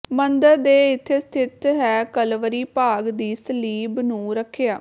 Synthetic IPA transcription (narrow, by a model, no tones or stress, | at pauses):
mənd̪əɾd̪eːɪt̪ʰːeːst̪ʰɪt̪ɦɛːkəlʋəɾiːpaːɡd̪iːsəliːbnũːɾəkʰːejaː